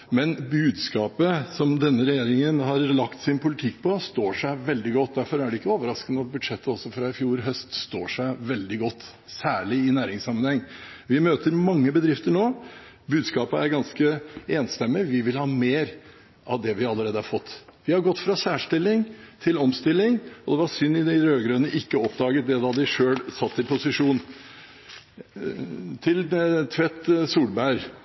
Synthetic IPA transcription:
mɛnbʉːd̪skɑːpəsɔmd̪ɛnːəɾɛjeːɾɪŋənɦɑɾlɑkt̪sɪnpʰʊlɪt̪ʰɪkːpʰɔst̪oːʂæɪʋɛld̪ɪɡɔt̪ːd̪æɾfɔɾæɖɛɪkːəoːʋəɾɑskənəɑt̪̚bʉd̪ʂɛt̪ːəɔsɔfɾɑɪfjuːɾɦœst̪st̪o̰ːʂæɪʋɛld̪ɪɡɔt̪ː | sæːɭɪɪnæːɾɪŋsɑmːənhɛŋːʋɪmøːt̪ʰəɾmɑŋːəbəd̪ɾɪft̪əɳoː | bʉːd̪skɑːpəæɾɡɑnskəeːnst̪ɛmːɪʋɪʋɪlhɑːmeːɾ | ʔɑʋd̪ɛʋɪɑlːəɾeːd̪əhɑɾfɔt̪ːʋɪhɑɾɡɔt̪ːfɾɑsæːʂʈɪlːɪŋt̪ʰɪlɔmst̪ɪlːɪŋɔd̪ɛʋɑsʏnːɪd̪ɛɾøːɡɾœnəʔɪkːəɔpd̪ɑːɡət̪̚d̪ɛd̪ɑd̪ɪʂøːlsɑt̪ːɪpʰʊsɪʂuːn | t̪ʰɪlt̪ʰʋɛt̪ːsuːlbæɪɾ

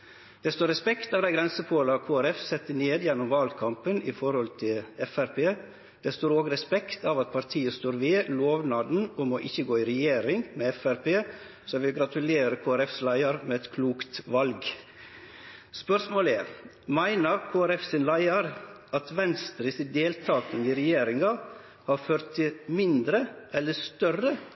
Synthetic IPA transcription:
d̪̥ɛst̪oːɾɛspɛkt̪ɑːʋd̪æɪɡɾɛnsəpʰoːlɑkʰoːæɾɛfsɛt̪ːəneːd̪jɛnːʊmʋɑlkʰɑmpənɪfɔɾhɔlt̪ʰɪlɛfæɾpeː | d̪̥ɛst̪oːɾoːɡɾɛspɛkt̪ɑːʋɑt̪̚pʰɑɾt̪ʰiːəst̪oːɾʋɪloːʋnɑːd̪n̩ɔmoːʔɪçəɡoːɪɾɛjeːɾɪŋmeːɛfæɾpʰeː | sɔɛʋɪlɡɾɑt̪ʉleːɾəkʰoːæɾɛfslæɪɑɾmeːɛt̪kʰluːkt̪ʋɑlɡ | spœɾsmoːlɛɾ | mæɪnəɾkʰoːæɾɛfsɪnlæɪɑɾ | ɑt̪ʋɛnst̪ɾɪsɪd̪eːlt̪ʰɑːkəniɾɛjeːɾɪŋɑ | hɑːɾføːɾt̪ʰːɪlmɪnd̪ɾəʔɛlːəst̪œrə

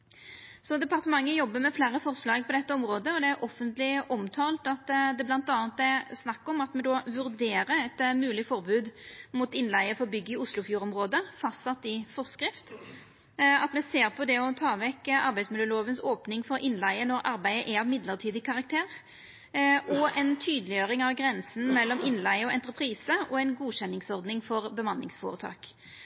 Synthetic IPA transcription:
sɔd̪ɛpɑʁt̪əmɑŋːəjɔbːəɾmɛflæːɾəfɔʁslɑːɡ̚pʰɔd̪ɛt̪ːəɔmʁoːd̪əɔd̪ɛæɾʔɔfənt̪lɪʔɔmt̪ʰɑːlt̪ɑt̪d̪ɛblɑnt̪ɑːnt̪æsnɑkːɔmɑt̪mɛd̪oːʋʉɾd̪eːɾəɛt̪mʉːlɪfɔʁbʉːd̪mut̪ɪnlæɪəfɔʁbʏɡːɪʊslʊfjuːɾɔmʁoːd̪əfɑst̪sɑt̪ːɪfɔʁskɾɪft̪ | ɑt̪mɛseːʁpʰɔd̪ɛɔt̪ʰɑːʋɛkɑ̰ɾbæɪsmɪd̪əːəloːʋənsoːpnɪŋfɔɾʔɪnlæɪənɔɾɑɾbæɪəʔæɑʋmɪd̪ləʁt̪ʰiːd̪ɪkʰɑʁɑk̚t̪ʰeːʁ | ʔɔɛnt̪ʰyːd̪əlɪjøːɾɪŋɑʋɡɾɛnsn̩mɛlːɔmɪnlæɪəɔɛnt̪əpʰɾiːsəʔɔɛɪnɡuːɕɛnːɪŋsɔʁd̪nɪŋfɔʁbəmɑnːɪŋsfɔ̰ːʁət̪ʰɑ̰ːk

